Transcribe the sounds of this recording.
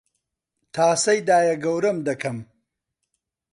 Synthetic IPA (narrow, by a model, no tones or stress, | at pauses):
t̪ʰaːsɐjd̪aːjɐɡɐwɾɐmd̪ɐkʰɐm